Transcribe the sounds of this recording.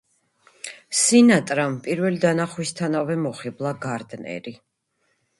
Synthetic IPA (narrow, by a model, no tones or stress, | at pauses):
sinat̪ʼɾampʼiɾvɛlid̪anaχwist̪ʰanavɛmɔχiblˠaɡaɾd̪nɛ̰ɾi